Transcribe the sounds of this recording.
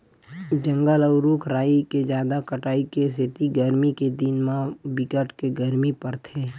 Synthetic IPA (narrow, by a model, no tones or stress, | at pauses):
d͡ʒə̃ŋɡələʊɾuːkʰɾaːiked͡ʒjaːd̪akəʈaːikes̬ɪt̪iɡəɾmiked̪ɪnmãbɪkəʈkeɡəɾmipɐɾt̪ʰeː